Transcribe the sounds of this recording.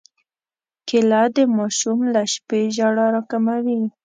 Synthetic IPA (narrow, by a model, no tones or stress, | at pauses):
kɪlad̪əmɑʃumlaʃpeʒaɽɑɾɑkamawi